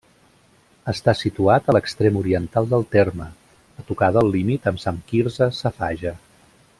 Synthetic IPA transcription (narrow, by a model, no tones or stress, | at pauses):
əst̪asit̪uat̪ələkst̪ɾemuɾiənt̪alˠd̪əlˠt̪ermə | ət̪ukaðəəllːimit̪əmsamkiɾzəsəfaʒə